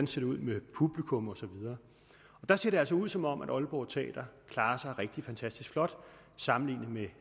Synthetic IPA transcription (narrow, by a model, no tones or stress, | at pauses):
nse̝d̥ɐuð̞̰ˠmepʰub̥likʰɔ̽mɒ̽sɒ̽ʋið̞ˠɐː | ɒ̽d̥ɑ̈se̝ɐɾe̝æls̬ɒ̽uð̞̰ˠsɒ̽mɒ̽mʔæɾ̥ɒ̽lb̥ɒʊt͡sʰɛ̰ːd̥ɐkʰlɑ̈ːɐsɑ̈ɪʁeɡ̥̚d̥ifænt͡sʰæsd̥isɡ̥flɒ̽d̥ | sɑ̈mn̩lḭːnəme